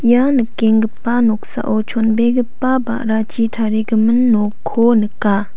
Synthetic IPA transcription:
janəkːeŋɡəpːanɔk̚sa̰ʔot͡ʃʰonbeɡəpːaba̰ʔɾat͡ʃitʰaɾeɡəmənːokʰːonəkːa

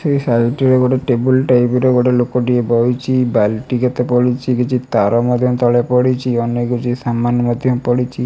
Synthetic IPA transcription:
sejsajʈeɾeɡoʈeʈebulʈajpeɾeɡoʈelokɔɖiebɔjt͡ʃʰibalʈiket̪epɔɽit͡ʃʰikit͡ʃʰit̪aɾɔmɔd̪ʱjɔmt̪ɔlepɔɽit͡ʃʰiɔnːeɡut͡ʃisamːanmɔd̪ʱjɔmpɔɽit͡ʃʰi

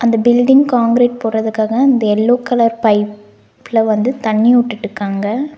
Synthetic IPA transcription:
ʔɐnd̪ɐbɪlɖɪŋɡkaːŋɡɾeːʈ̚poːrɐðɯkːaːɣɐɐnd̪ɐɛlːoːkːɐlɐɾpɐɪpː | lɐʋɐnd̪ɯt̪ɐɳːɪʊʈːɯʈːɯkːaːŋɡɐ

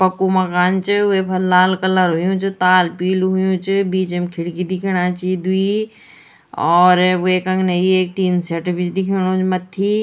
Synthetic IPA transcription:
pɐkumɐkaːnt͡ʃɪʊepʰɐːaːlkɐləɾɦʊjũt͡ʃɪt̪aːlpiːlɦʊjũt͡ʃɪbiːt͡ʃemkʰɪɽkid̪ɪkʰiɽ̃aːt͡ʃiːd̪ʱui | ɔːɾeːkɐ̃ŋɡneieːk̚ʈiːnseʈbit͡ʃd̪ɪkʰiɽ̃õːt͡ʃmɐt̪ʰːiː

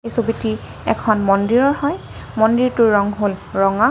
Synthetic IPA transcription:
ejsobiti | ɛ̰kʰɔnmɔndiɹɔɹhɔj | mɔndiɹtʊɹːɔŋɦolɹɔŋa

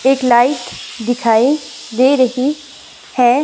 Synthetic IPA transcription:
eːklaːɪʈd̪ɪkʰaːid̪eːɾəɦi | hɛ

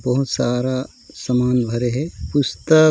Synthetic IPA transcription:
bɐɦut̪saːɾa | sɐmaːnbʱɐɾeɦɛpust̪ə

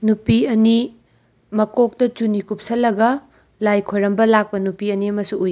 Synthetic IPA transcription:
nupiɐni | mɐkok̚tɐt͡ʃunikup̚sɐlːɐɡɐ | lajkʰojɾɐmbɐlak̚pɐnupiɐniɐmɐsuuj

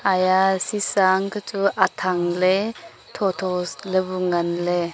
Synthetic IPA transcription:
ajasisaŋkʰat͡suʔat̪ʰaŋle | t̪ʰɔt̪ʰɔslebuŋɐnle

